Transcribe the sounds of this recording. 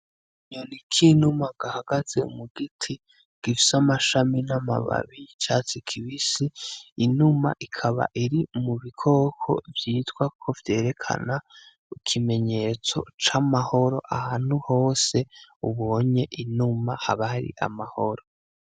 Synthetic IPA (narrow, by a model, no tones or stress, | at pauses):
ɲonikʰinumaɡ̥ahaɡ̥az̥e̞ṵmuɡitʰi | ɡ̥ifi̥samaʃaminama̰βa̰βit͡ʃaːt͡sikʰiβisiinuma̰ʔikʰaβa̰ʔiɾimuβikʰo̞ːkʰo̞̰vjiːtɡwakʰo̞vje̞ːɾe̞kʰa̰na | ikʰime̞ɲe̞ːt͡so̞̰t͡ʃamaho̞ɾo̞̰ʔahaːn̥huho̞ːse̞uβo̞ːɲe̞ʔinumahaβaɾḭʔa̰maho̞ɾo